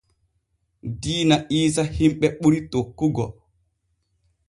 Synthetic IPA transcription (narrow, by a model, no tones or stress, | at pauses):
diːnaʔiːs̬ahimɓɛɓuɾitokːuɡɔ̰